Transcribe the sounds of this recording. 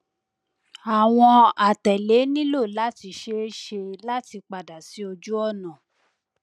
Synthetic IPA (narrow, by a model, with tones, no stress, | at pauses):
a˨w̃ɔ̃˧a˨tɛ˨le˨˦nĩ˦lo˦˨la˦ti˧ʃe˦ʃe˧la˦ti˧k͡pa˨da˨si˨˦o˧d͡ʒu˦ɔ˦˨nã˨